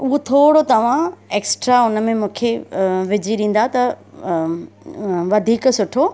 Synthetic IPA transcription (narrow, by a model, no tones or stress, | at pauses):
ʊɦot̪ʰoːɽot̪ɐʋ̤ãeːksʈɾaʊnə̆mẽmũːkʰeʋɪd͡ʑiɗĩːn̆d̪at̪ɐ | ʋɐd̪ʱiːksʊʈʰo